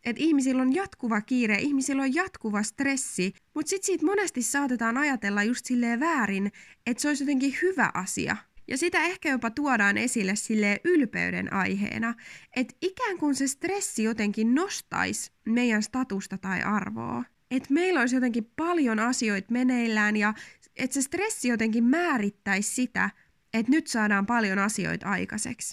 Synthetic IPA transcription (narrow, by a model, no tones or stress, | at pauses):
et̪ihmisilːonjɑt̪kuʋɑkiːɾeʔihmisilːojjɑt̪kuʋɑst̪re̞sːi | mut̪sit̪siːt̪monest̪isːɑːt̪et̪ɑːnɑjɑt̪elːɑjust̪silːeːʋæːɾinet̪seoisjot̪eŋkihyʋæ̰ʔɑsḭɑ̰jɑ̰sit̪æehkæjopɑt̪uodɑːnʔe̞silːessilːeːʔylpḛydḛnʔɑ̰jɦḛːnɑet̪ikæːŋkunsest̪resːijot̪eŋkinnost̪ɑ̰ismejːænst̪ɑt̪ust̪ɑt̪ɑiʔɑrʋo̰ː | et̪meilːois̬jot̪eŋkippɑljonɑsio̞it̪meneilːæːnjɑ | et̪sest̪resːijot̪eŋkimmæːɾit̪ːæissit̪æ̰ | et̪nyt̪sɑːdɑːmpɑljonɑsio̰it̪ɑikɑsḛks